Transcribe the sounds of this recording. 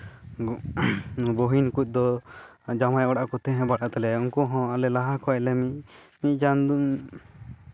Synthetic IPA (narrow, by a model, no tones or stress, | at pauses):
boɦinkuc̚ˀd̪ɔ | d͡ʒamajɔɽakɔt̪ɛ̃ɦɛ̃baɽʔaʔt̪ɛlɛuŋkɔɦɔ̃alɛlaɦakʰɔɛʔlɛmi | mic̪̚ˀd͡ʒand̪u